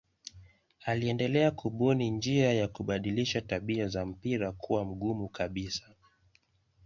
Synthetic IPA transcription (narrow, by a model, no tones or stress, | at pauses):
aliɛndɛlɛakʰuɓunind͡ʒiajakuɓaɗiliʃataɓiazam̩piɾakʰuwam̩ɠumukaɓisḁ